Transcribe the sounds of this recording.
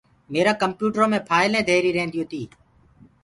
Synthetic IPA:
meːɾãːkəmpjuːʈɾõːmẽːpʰaːɪlẽːd̪ʱeːɾiːɾẽːnd̪ijõːt̪ʰiː

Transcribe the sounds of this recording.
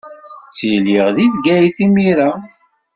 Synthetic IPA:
t͡sːiliʁðiðɡæjθimiɾa

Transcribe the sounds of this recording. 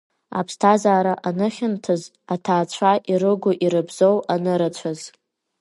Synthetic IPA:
a̰pʰstʰazaːɾaʔanɨχʲɪntʰɨz | atʰaːt͡ɕʷʰaʔiɾɨɡʷʊʔiɾɨbzowanɨɾat͡ɕʷʰaz

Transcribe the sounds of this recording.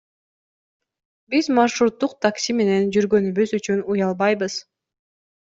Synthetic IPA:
bizmaʃɾut̪ːuqt̪ʰaksʲime̞ne̞nd͡ʒyɾɡø̞nyβyzyt͡ʃynujɑlˠbɑjbɯz̥

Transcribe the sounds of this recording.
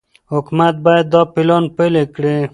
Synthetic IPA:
hʊkmat̪̚bɔjad̪ːɑpɪlɑnpelekɽe

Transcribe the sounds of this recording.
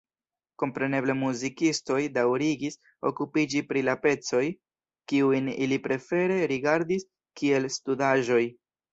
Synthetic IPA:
ko̞mpɾe̞ne̞ble̞muzikisto̞jdawɾiɡis | o̞̰kupid͡ʒipɾilape̞t͡so̞j | kiujnilipɾe̞fe̞ɾe̞ɾiɡaɾdis | kie̞lstudaʒo̞j

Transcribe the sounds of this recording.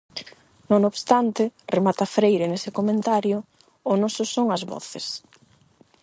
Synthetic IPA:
nõŋoβst̪ant̪ɪremat̪ɐfɾejɾenesɪkomẽnt̪aɾjʊː | nɔsʊsoŋɐzβɔ̰θɪs

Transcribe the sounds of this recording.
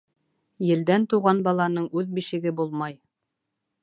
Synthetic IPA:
jɘ̆ld̪ænt̪uʁɑnbɑlˠɑnɤɴʉðbiʃɘ̆ɡɘbulˠmɑj

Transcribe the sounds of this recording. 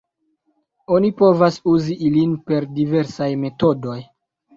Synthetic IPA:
o̞nipo̞vasuziʔilinpe̞ɾdive̞ɾsajme̞to̞do̞j

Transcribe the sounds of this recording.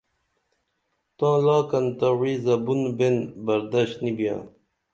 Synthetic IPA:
t̪ãːlɑːkɐnt̪awizɐbunbenbɐɾd̪aɕt̪nibjã̰ː

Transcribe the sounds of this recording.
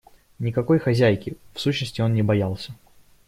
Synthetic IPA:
nʲɪkɐko̞jxɐzʲæjkʲɪfsuɕnəsʲtʲɪo̞nnʲɪbɐjalˠsʲə

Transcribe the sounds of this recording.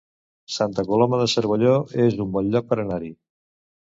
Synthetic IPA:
sant̪əkolɔməðəsəɾβəʎoezumbɔnʎɔk̚pəɾənaɾi

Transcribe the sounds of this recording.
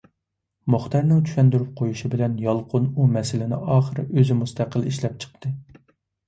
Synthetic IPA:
moχt̪ʰɑɾnɪŋt͡ʃ̪ʰy̥ʃɛnd̪yɾyp̚qʰojuʃibɪlɛnjɑlˠqʰʊnumɛsɪlɪnɪ̰ɑːχəɾɨʔøzɪmust̪ʰæqəlˠiʃlɛp̚t͡ʃʰə̥q̚t̪ʰɨ

